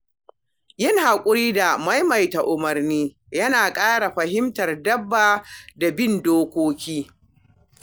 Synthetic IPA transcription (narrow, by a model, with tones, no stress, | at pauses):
jɪ˦ŋhaː˨kʷʼʊ˦ɾiː˦da˨ma˦jmɐ˨jta˨ʔʊ˨mɐ˨rniː˦ | jɐ˦naː˨kʼaː˦ɽa˨ɸɐ˨ɦɪ˦mtɐ˨rdɐ˦bːaː˨da˨bɪ˦˨ndoː˦kʷoː˦kʲiː˦